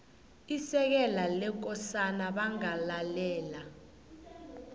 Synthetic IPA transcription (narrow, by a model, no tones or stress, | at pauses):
isɛk̬ɛlalɛk̬ɔsanaɓaŋalalɛːla